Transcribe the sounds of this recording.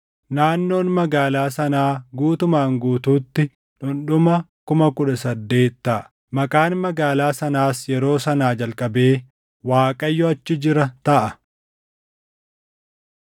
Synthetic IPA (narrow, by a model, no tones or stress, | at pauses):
naːnːo̞ːnmɐɡaːlaːsɐnaːɡuːt̪ʊmaːŋɡuːt̪uːt̪ːɪ | nʊnɗʊmɐkʊmɐkʊᶑɐsɐd̪ːe̞ːt̪ːɐʔ | mɐkʼaːnmɐɡaːlaːsɐnaːsjɛɾo̞ːsɐnaːd͡ʒɐlkʼɐbe̞ː | waːkʼɐjːɔɐt͡ʃːɪd͡ʒɪɾɐt̪ɐʔɐ